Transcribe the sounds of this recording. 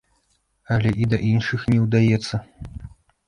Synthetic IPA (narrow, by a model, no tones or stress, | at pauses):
ɐlʲɛʔid̪ɐʔinʂɨxnʲɛwd̪ajɛt̪sːɐ